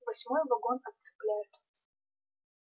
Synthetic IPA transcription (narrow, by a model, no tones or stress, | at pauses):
vɐsʲmojvɐɡonɐtt̪sɨ̥plʲajɪt̪